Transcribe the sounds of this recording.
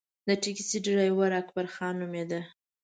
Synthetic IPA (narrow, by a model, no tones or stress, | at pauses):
d̪əʈikisiɖiɾajwaɾakbaɾxɑnumed̪a